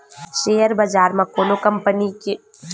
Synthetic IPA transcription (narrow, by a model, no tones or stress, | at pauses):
ʃeːəɾbɐd͡ʒaːɾmɐkoːnokɐmpənike